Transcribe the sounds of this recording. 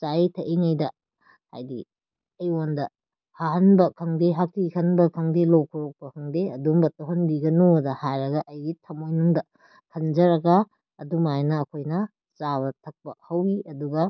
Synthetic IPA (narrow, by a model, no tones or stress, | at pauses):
t͡ʃajtʰɐʔiŋajdɐ | ha̰jdḭ | ɐjwondɐ | haɦɐnbɐkʰɐŋdeɦak̚tikʰɐnbɐkʰɐŋdelowkʰɐɾok̚pɐkʰɐŋdeɐdumbɐtoɦɐnbiɡɐnuɐdɐhajɾɐɡɐʔɐjɡitʰɐmojnuŋdɐ | kʰɐnd͡ʒɐɾɐɡɐː | dumajnɐːkʰojnɐ | t͡ʃaβɐtʰɐk̚pɐhɐwiɐduɡɐ